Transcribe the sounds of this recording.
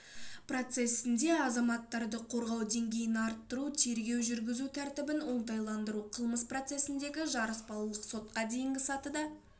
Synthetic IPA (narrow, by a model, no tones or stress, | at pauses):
pro̞t̪se̞sɪnd̪e̞ɑzɑmɑt̪ːɑɾd̪əqʰo̞ɾʁɑwd̪e̞ŋɡʲe̞jɪnɑɾt̪ːəɾut̪ʰe̞ɾɡʲe̞wʒʏɾɡʲɪzut̪ʰæɾt̪ɪbɪnwo̞nˠd̪ɑjlˠɑnd̪əɾuqʰəlˠməspro̞t̪se̞sɪnd̪e̞ɡʲɪʒɑɾəsbɑlˠulˠəqso̞t̪̚qɑd̪e̞jɪŋɡʲɪsɑt̪əd̪ɑ